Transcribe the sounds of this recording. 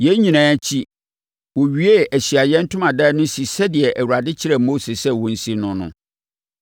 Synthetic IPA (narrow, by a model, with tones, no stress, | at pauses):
jɛ˦ɲĩ˨nãː˦t͡ɕʰi˦ | wɔ˨ɥi˦e˦æ˨ɕi˨a˨jɛ̃˦n̩˦tʰʊ̃˦mã˨dɛ˦nʊ̃˦si˨sɛ˦dɪ˨ɛ˨ʔæ˨wu˨ɾa˨dɪ˦t͡ɕʰɪ˦ɾɛ˦mo˦se˨sɛ˦wɔ̃˨n̩˦si˦nʊ̃˨nʊ̰̃˦